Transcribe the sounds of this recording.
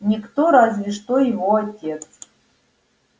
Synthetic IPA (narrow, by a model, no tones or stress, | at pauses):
nʲikt̪oɾazvʲɪʂt̪ojɪvoatʲet̪s